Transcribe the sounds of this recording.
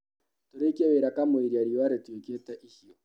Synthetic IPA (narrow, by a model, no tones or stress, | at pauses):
toɾekaweɾakamoiɾiaɾiaɾetweketɛʔihiɔ